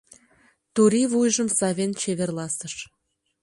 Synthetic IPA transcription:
t̪oɾivujʒəmsɑβʲent͡ɕeβerlɑsəʃ

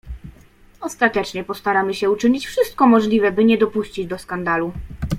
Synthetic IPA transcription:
ɔst̪at̪ɛt͡ʂɲɛpɔst̪aɾamɘɕɛut͡ʂɘɲit͡ɕfʂɘst̪̚kɔmɔʐlʲivɛbɘɲɛd̪ɔpuɕt͡ɕid͡ʑd̪ɔskand̪alu

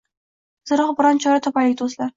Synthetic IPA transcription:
z̥ɨɾɒʁbɪɾɒnt͡ʃʰɒɾat̪ʰɒpalɪk̚ʲt̪ʰozlaɾ

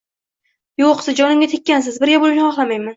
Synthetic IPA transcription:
joqsɪd͡ʒɒnɪmɡʲat̪ʰekʲːansɪzbɪɾɡʲabolɪʃnɪχɒχlˠamajman

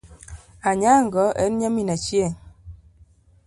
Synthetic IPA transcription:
aɲaŋɡɔʔɛnɲaminat͡ʃjeŋ

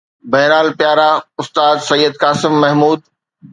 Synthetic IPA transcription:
bɐːnaːlpjaːɾaʊst̪aːd̪sɐjːəd̪̚kaːsɪmːɐɦmuːd̪̚

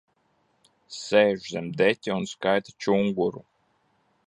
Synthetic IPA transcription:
sɛːʒzʲɛmd̪ɛt̪ʲiunskajt̪at͡ʃuŋɡuɾu

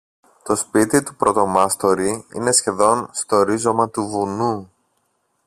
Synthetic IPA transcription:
t̪o̞spit̪it̪upɾo̞t̪o̞mɐst̪o̞ɾiḭne̞sçe̞ðo̞nst̪oɾizo̞mɐt̪uvunu

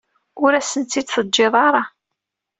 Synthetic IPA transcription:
ʊɾæsənt̪ːid̪θəd͡ʒːeðˤɑɾˤɑ

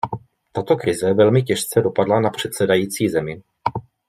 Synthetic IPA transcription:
t̪at̪o̞kɾɪzɛvɛlmɪcɛʃt͡sɛdopadlanapr̝̥ɛt̪sɛdajiːt͡siːzɛmɪ

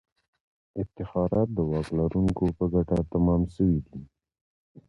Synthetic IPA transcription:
ɪft̪ɪxɑɾɑt̪̚d̪əwɑklaɾuŋkopəɡaʈat̪amɑmsəwid̪i

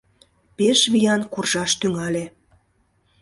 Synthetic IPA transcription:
peʃβijɑnkurʒɑʃt̪yŋɑle

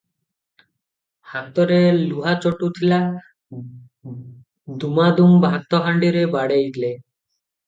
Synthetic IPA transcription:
hat̪ːoɾeluɦat͡ɕoʈut̪ʰila | d̪umad̪umbʱat̪ːɔɦaɳɖiɾebaɽeiɡ̪le

